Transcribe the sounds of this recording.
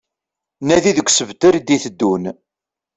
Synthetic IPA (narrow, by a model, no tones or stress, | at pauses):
næðiðəɡʷsəvt̪əɾid̪iθəd̪ːun